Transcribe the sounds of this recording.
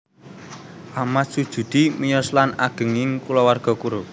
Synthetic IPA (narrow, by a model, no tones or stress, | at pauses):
ʔamat̪̚sud̥ʒ̥ṳd̪̥imijɔslanaɡ̥ə̤ŋɪŋkulɔwarɡ̥ɔ̤kuɾo